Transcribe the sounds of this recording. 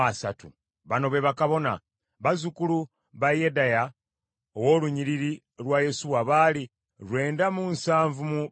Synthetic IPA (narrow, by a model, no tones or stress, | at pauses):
asa̰tṵ | βano̞βe̞βakaβo̞na̰ | βazukulu | βajedaja | owo̞ːluɲiɾiɾi | lwaje̞suwaβaːli | lwe̞ːndamunsaːɱvumu